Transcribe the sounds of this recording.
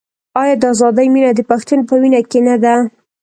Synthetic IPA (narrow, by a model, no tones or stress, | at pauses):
ɑjɑd̪əazɑd̪əjminad̪əpaxt̪unpəwinakenad̪a